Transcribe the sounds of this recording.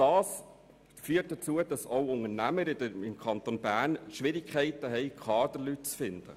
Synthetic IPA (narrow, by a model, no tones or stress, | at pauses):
d̥ɑːs | fyːət̚d̥ɑt͡suədɑsowʊŋəɾnæməɾidəɪmkʰχɑnt̪onbæːɾnʃʋɪɾɪkʰχɛɪtəɦɛɪkχɑːd̥əlyt̚t͡sfɪnd̥̪ə̰